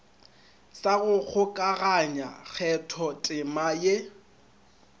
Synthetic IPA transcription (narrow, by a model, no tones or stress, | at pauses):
saɣʊk͡xʰʊkʼaɣaɲa̰k͡xʰɛtʰɔtʼɪmaje